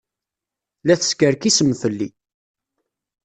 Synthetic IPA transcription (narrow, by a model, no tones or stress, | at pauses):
læθə̥skəɾkisəmːθəlːi